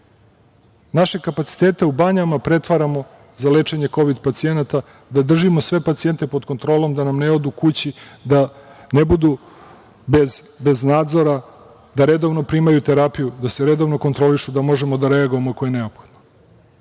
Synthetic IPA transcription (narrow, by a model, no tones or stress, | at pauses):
naʃekapat̪si̥t̪eːt̪eubaɲamapɾe̞t̪ʋaɾamo̞ | zale̞t͡ʂe̞ɲe̞ko̞ʋid̪pat̪sie̞nat̪a | d̪ad̪r̩ʒimo̞sʋe̞pat̪sie̞nt̪e̞po̞d̪ko̞nt̪ɾo̞ːlo̞md̪anamne̞o̞d̪ukut͡ɕid̪anebud̪u | bez | be̞znaːd̪zo̞ɾa | d̪aɾe̞d̪o̞ʋno̞pɾimajut̪eɾapijud̪aseɾe̞d̪o̞ʋno̞ko̞nt̪ɾo̞liʃud̪amo̞ʒe̞mo̞d̪aɾe̞aɡojemoakojene̞opxod̪no